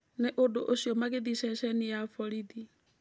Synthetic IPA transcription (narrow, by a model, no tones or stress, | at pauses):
neʔodoʔoʃjɔmaɣeðisɛʃɛnijafɔɾiði